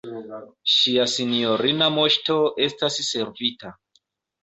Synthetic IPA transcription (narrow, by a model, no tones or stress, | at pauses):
ʃiasinio̞ɾinamo̞ʃto̞e̞stasːe̞ɾvita